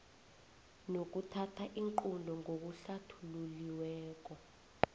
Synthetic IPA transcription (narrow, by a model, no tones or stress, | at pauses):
nok̬utʰatʰaʔiŋǃundʱɔŋʱok̬uɬatʰululiwɛːk̬ɔ